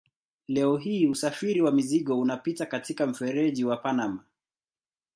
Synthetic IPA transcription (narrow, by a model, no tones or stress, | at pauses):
lɛɔɦiːusafiɾiwamiziɠɔunapitakatikam̩fɛɾɛʄiwapanama